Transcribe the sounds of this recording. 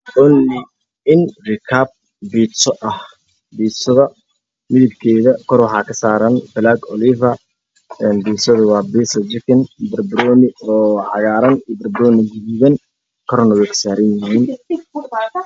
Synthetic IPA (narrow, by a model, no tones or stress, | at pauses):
ɔnːɪ | ɪnrɪkʰaːb̚ | biːt̪sɔʔɐh | biːsɐðɐ | mɪðɪbkʰɛːðɐkʰɔrwɑħɑːkʰɐsaːɾɐnbɪlaːɡɔliːvɐ | ɛːnbiːsɐðʊwɑːbiːsɐd͡ʒɪkʰɪnb̪ɐrbɾɔːnɪɔːʕɑɣaːɾɐnb̪ɐrbɾɔːnɪɡʊðuɣɐn | kʰɔrnɐwɛjkʰɐ̥saːɾɐnjɪɦiːn